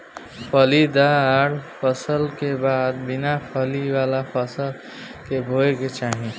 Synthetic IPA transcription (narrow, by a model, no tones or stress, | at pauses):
pʰəlid̪aɾpʰəsəlkebaːd̪̚bɪnapʰəliwaːlapʰəsəl | kebʱoeket͡ʃaːɦĩ